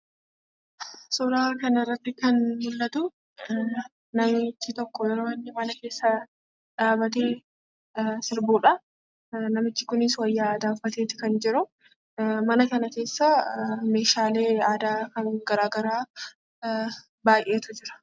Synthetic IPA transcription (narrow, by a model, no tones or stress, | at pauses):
sɔɾaːkɐnɐɪrːɐt̪ːɪkɐnmʊlːɐt̪ʊ | nɐmɪt͡ʃːɪt̪ɔkːɔjɛɾoːɪnːɪmɐnɐke̞ːsːɐ | ᶑaːbɐt̪e̞ː | sɪɾbuːᶑɐ | nɐmɪt͡ʃːɪkʊnɪswɐjːaːd̪aːfɐt̪eːt̪ɪ̥kɐnd͡ʒɪɾʊ | mɐnɐkɐnɐke̞ːsːɐme̞ːʃaːle̞ːaːd̪aːkɐŋɡɐɾaːɡɐɾaː | baːjʔe̞ːt̪ʊd͡ʒɪɾɐ̥